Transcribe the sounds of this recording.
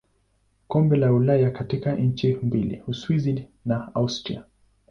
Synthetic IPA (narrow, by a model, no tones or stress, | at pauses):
kɔmbɛlaulajakatikaɲ̩t͡ʃimbilḭuswizinnaaustɾḭa̰